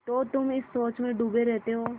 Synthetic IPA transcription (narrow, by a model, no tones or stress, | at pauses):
t̪oːt̪ʊmɪsːoːt͡ʃmẽɖuːbeɾɛɦt̪eɦoː